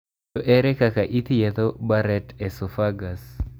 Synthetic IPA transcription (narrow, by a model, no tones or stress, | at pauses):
ɔʔɛɾɛkakaʔit̪jet̪obaɾɛtɛsofaɡas